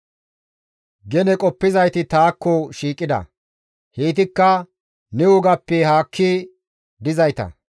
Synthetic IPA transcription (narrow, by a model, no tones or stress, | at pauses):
ɡɛnɛkʼɔpːɪzɐjt̪ɪt̪aːkːɔʃiːkʼːɪd̪ɐ̰ | heːt̪̬ɪkːɐ | nɛʊɡɐpːɛhaːkʰːɪ | d̪ɪzɐjt̪ɐ̰